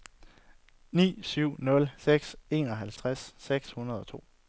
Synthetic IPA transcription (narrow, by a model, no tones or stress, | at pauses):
nḭːsyʊ̰nɔ̽lseɡ̥se̝̰ːnɒ̽ɦælt͡sʰʁasːeɡ̥shunɐð̞ˠɒ̽t͡sʰo̝̰ː